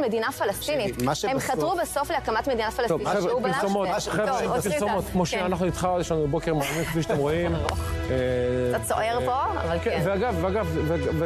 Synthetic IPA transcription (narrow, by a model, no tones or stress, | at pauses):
med̪inafalast̪initaʃemχat̪ʁubesofleakamat̪medinafalastovubilsomot̪χevpilsomot̪kmoʃeanaχnuit̪χajeʃlanubebokemanimkviʃat̪emʁoimet̪at͡so̰ʔeʁpokeveaɡavveaɡavveve